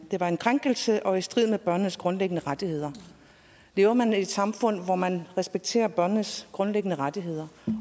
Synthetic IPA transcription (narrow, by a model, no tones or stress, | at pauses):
d̥e̝ʋɑ̈e̝nkʰʁaŋ̰ɡ̥əl̩səʔɒ̽e̝d̥sd̥ʁið̞̰ˠmeb̥ɶɐ̰nnəsɡ̥ʁɔ̽nleɡ̥ənəʁad̥ihe̝ð̞̰ˠɐ | le̝ːʊɐmænied̥sɑ̈mfɔ̽n̰ʋɒmænʁɛsb̥eɡ̥̚t͡sʰe̝̰ːɐb̥ɶɐnnəsɡ̥ʁɔ̽nleɡ̥ənəʁad̥iɦe̝ð̞̰ˠɐ